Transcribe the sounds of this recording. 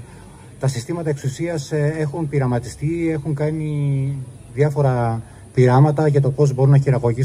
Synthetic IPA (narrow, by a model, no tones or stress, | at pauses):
t̪ɐsist̪imɐt̪ɐe̞ksusiɐsexunpiɾɐmɐt̪ist̪ie̞xuŋkɐni | ðjɐfo̞ɾɐ | piɾɐmɐt̪ɐʝɐt̪o̞po̞zbo̞ɾunɐçiɾɐɣo̞ʝi